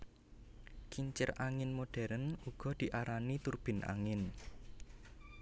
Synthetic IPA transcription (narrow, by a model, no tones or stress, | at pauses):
kiɲt͡ʃɪ̰raŋɪnmoɖ̥ɛɾənuɡ̥ɔ̤d̪̥i̤ʔaɾanit̪urb̥ɪ̤nʔa̰ŋɪn